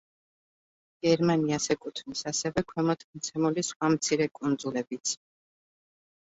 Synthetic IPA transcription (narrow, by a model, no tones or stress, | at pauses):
ɡ̥ɛɾmaniasɛkʼut̪ʰnisasɛvɛkʰwɛmɔt̪ʰmt̪sʰɛmulisχwamt̪sʰiɾɛkʼund̪zulɛbit̪sʰ